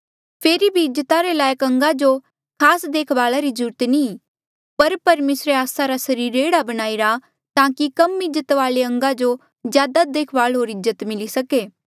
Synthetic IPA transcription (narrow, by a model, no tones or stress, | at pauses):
pʰeːɾibʱiɪd͡ʒət̪aɾelaːjəkɐ̃ŋɡad͡ʒo | kʰaːsd̪eːkʰʋaːɭaɾid͡ʒuːɾt̪inĩ | pɐɾpɐɾmeːsɾeaːsaɾasɐɾiːɾeːɽabɐñaːiɾa | t̪ãːkikɐmɪd͡ʒət̪ʋaːɭeɐ̃ŋɡad͡ʒo | zjaːd̪ad̪eːkʰʋaːɭɦoːɾɪzət̪mɪlisɐkeː